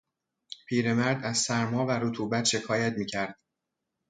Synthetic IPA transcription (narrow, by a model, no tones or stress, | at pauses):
pʰiːɾe̞mæɾd̪æzsæɾmɒːvæɾot̪ʰuːbæt̪ʃe̞kʰɒːjæt̪miːcʰæɾd̪̥